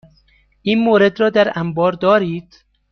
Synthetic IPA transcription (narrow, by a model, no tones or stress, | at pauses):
ʔiːnmoːɾe̞d̪ɾɒːd̪æɾæmbɒːɾd̪ɒːɾiːd̪̥